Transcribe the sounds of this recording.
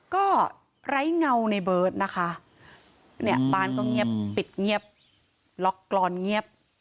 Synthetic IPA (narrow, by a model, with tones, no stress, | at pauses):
kɔː˥˩ | ɾa˦˥jŋa˧wna˧jbɤː˨˩t̪̚na˦˥kʰa˦˥ | ni˥˩əbaː˥˩nkɔː˥˩ŋi˦˥˩əpːi˨˩t̪̚ŋi˥˩əp̚ | lɔ˦˥kːlɔː˧nŋi˥˩əp̚